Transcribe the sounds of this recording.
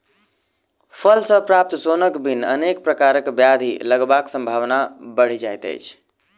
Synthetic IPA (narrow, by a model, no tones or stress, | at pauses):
pʰəlsəpɾap̚t̪sonəkbinə̰nek̚pɾəkaɾəkbjad̪ʱiləɡbaksə̃mbʱaʋnabəɽ̤id͡ʒajt̪ə̰jt͡ʃʰ